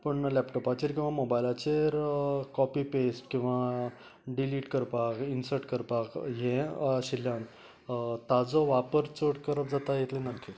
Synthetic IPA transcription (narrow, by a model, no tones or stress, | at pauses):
pəɳlɛpʈɔpat͡ɕiɾkĩw̃ʋamobajlat͡ɕeɾkɔpipesʈkĩw̃ʋa | ɖiliːʈkəɾpakinsəɾʈkəɾpakjẽɕiljãn | t̪ad͡zɔʋapəɾt͡soʈkəɾəp̚d͡zat̪ajet̪lenakːi